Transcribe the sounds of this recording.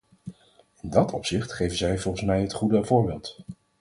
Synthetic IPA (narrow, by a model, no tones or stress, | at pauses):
ɪndɑtɔpsɪχtχejvənzɛjvɔlˠχən̩smɛjɦətχudəvʊːɹbeːlˠt